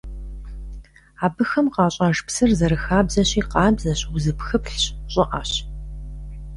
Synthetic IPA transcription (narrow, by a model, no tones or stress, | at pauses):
aːbɨxɐmqɑːɕʼɑːʒpsɨrzɐɾɨxaːbzɐɕiːqɑːbzɐɕwʊzɨpxɨpɬɕɕʼɪʔa̰ːɕ